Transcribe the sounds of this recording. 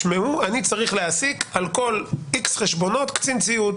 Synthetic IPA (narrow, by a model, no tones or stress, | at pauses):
meuanit͡saʁiχleasikalko̞liksχeʃbo̞no̞t̪kt͡sint͡siut̪